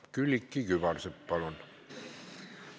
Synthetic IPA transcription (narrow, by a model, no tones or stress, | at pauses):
kylikːikyʋɑrsepːɑlon